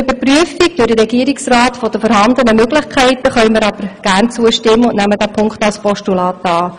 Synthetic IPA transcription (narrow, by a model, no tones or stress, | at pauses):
ʏbəɾpryəfiɡ̚d̥ʊdəɾɛɡiəɾɪksrɑːtfod̥əfɔːɾhɑndənəmøɡlɪχkʰɛɪtəχœʏməɾɑb̥əɾɡ̥æːrnt͡suəʃtɪmːəʊntnæmːədæːpʰʊŋkχtɑlspɔʃtulɑːtɑː